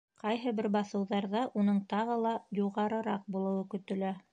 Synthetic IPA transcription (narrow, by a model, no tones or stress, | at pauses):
qɑjɦɤbɘɾbɑθɤ̆wðɑɾðɑʔunɤɴt̪ɑʁɤlˠɑjuʁɑɾɤ̆ɾɑq̚bulˠɤ̆wɤkɵ̆t̪ɵ̆læ